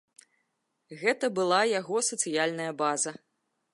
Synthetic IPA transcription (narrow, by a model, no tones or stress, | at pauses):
ɣɛt̪ɐbɨlˠajaɣɔsɐt̪sɨjalʲnɐjɐbazɐ